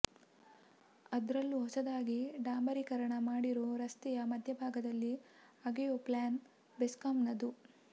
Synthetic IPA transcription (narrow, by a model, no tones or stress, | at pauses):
ɐd̪ɾɐlːuɦɔsɐd̪aːɡiɖaːmbɐɾikɐɾɐɳɐmaːɽiɾoːɾɐst̪ɛjɐmɐd̪ʱjɐbʱaːɡɐd̪ɐlːiɐɡejoːplaːn | beskɐmnɐd̪u